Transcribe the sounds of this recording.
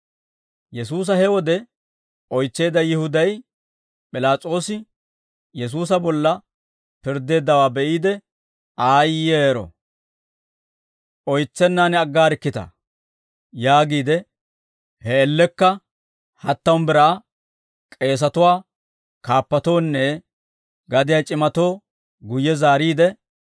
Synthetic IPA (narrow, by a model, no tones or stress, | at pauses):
jɛsuːs̬ɐhɛwɔd̪ɛ | ʔɔjt͡sːe̞ːd̪ɐjɪhʊd̪ɐj | pʼɪlaːt͡sʼo̞ːsɪ | jɛs̬uːs̬ɐbɔlːɐ | pɪɾd̪ːe̞ːd̪ːɐwaːbɛʔiːd̪ɛ | aːjeːɾɔ̰ | ʔɔjt͡sːɛnːanɛɐɡːaːɾɪkːɪt̪ɐ̰ | jaːɡiːd̪ɛ | hɛːlːɛkːɐ | hɐt̪ːɐwnbɪɾaː | kʼe̞ːs̬ɐt̪ʊwaː | kaːpːɐt̪o̞ːnːɛ | ɡɐd̪ɪjɐt͡ʃʼɪmɐt̪o̞ː | ɡʊjːɛzaːɾiːd̪ɛ